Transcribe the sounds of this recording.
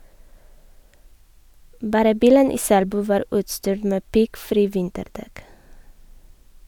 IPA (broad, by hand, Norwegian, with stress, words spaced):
ˈbɑːɾə ˈbiːlən ˈiː ˈsælbʉː ˈʋɑːɾ ˈʉːtstyːɾ ˈmeː ˈpɪɡˌfɾiː ˈʋɪntəɾˌdɛk